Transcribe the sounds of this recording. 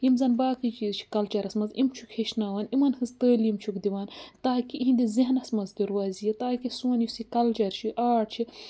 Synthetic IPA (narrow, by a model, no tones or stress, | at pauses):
jimzɐnbaːkʰɨd͡ʒizt͡ʃʰi̥kɐlt͡ʃɐɾɐsmɐzimt͡ʃʰukheʃnaːwaːnimɐnhɨzt̪əːljimt͡ʃʰukd̪iʋaːnt̪aːkiʔiɦind̪ʲiziɦnɐsmɐzd̪uɾwaːzijɐt̪aːkisuɐnjisikɐlt͡ʃɐɾt͡ʃʰiʔaːɽt͡ʃʰi